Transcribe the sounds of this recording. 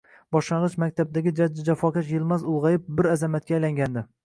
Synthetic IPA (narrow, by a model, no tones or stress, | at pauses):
bɒʃlɑɴʁɨʃmak̚ʲt̪ʰab̚d̪aɡʲɪd͡ʒad͡ʒːɪd͡ʒafɒkʲaʃ̬jɪlˠmazʊlˠʁɑjɪp̚bɪɾazamat̪̚kʲajlaŋɡʲand̪ɪ